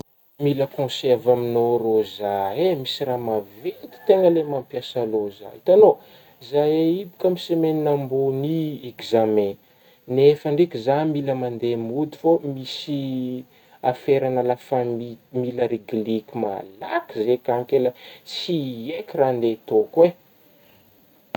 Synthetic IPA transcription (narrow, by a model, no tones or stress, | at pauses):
miləkõsɛrvaminorozaemisiɾamavent̪i̥t̪eŋəlemãmpjasaloza̰nt̪ano | zajeibikəmisemeninamboniekzamɛ̃ | nefəɳɖ͡ʐikizamiləmand̪emud̪i̥fomisi | afeɾanalafamimiləɾiɡilikʲima̰la̰kizekaŋkeləsiekirand̪et̪okwe